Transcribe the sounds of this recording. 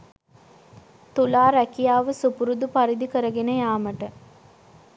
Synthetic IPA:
t̪ulaːɾɛkijaːʋəsupuɾud̪upaɾid̪ikəɾəɡenəjaːməʈə

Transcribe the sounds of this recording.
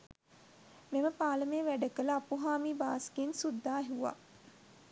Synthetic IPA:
meməpaːləmeːʋæɖəkələapuɦaːmiːba̰ːskensud̪ːaːɦiuʋa̰

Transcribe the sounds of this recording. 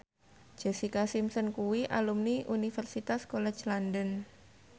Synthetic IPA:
d͡ʒ̥ɛsikasimsənkuwiʔalumniʔunifɛrsit̪askolɛ̥d͡ʒlandən

